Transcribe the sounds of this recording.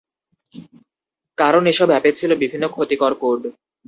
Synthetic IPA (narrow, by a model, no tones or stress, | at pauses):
kaɾoneʃɔbɛpet͡ɕʰilobibʱinːokʰot̪ikɔɾkoɾɖ